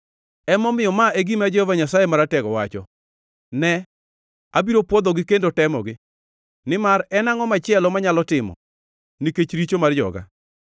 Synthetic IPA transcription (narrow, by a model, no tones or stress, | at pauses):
ɛmɔmɪjɔmaʔeɡimad͡ʒɛhovaɲasajemaɾatɛɡɔwat͡ʃɔ | nɛ | abiɾopwɔd̪ɔɡɪkendotɛmɔ̰ɡɪ | nɪmaɾɛnaŋɔmat͡ʃɪɛlɔmaɲalɔtɪmɔ̰ | niket͡ʃɾit͡ʃomard͡ʒɔ̰ɡa̰